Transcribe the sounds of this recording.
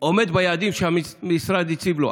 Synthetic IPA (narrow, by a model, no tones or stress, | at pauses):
ɔmɛd̪bajad̪imʃamimisɾad̪isʰiblɔ̰